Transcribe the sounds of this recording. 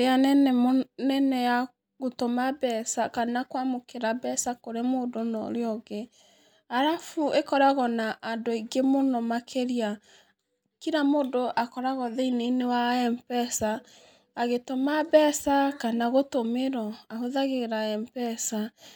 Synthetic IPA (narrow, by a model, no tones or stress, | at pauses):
eanɛnɛnɛnɛja | ɣotomabɛsakanakwamokeɾabɛsakoɾemoːdonɔ̰ɾeɔɣe | aɾafuʔekɔɾaɣɔnaʔːdoiɡemonɔmakʰeɾia | kiɾamoːdoʔakɔɾaɣɔðeinenewaɛmpɛsaː | ɣetomabɛsakanaɣotomeɾɔaɦoðaɣeɾaɛmpɛsa